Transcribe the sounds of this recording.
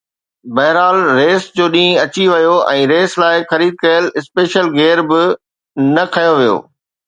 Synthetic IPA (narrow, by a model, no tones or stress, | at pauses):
bɐɦɪɾaːlɾeːsd͡ʑoːɗĩːɐt͡ɕiʋɐjoɛ̃ːɾeːslaːɪxɐɾiːd̪̚kɐjəlɪspeːʃəlɡeːɾbɪ | nɐkʰɐjoʋijo̰ː